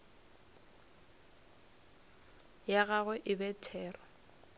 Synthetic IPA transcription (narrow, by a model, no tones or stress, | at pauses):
jaɣaɣwɛʔɪbɛtʰɛːrɔ